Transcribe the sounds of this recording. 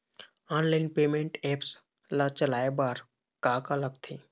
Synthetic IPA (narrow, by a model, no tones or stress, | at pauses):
aːnlaːɪnpeːmẽɳʈeːps | lat͡ʃəlaːebaːɾ | kaːkaləkt̪ʰeː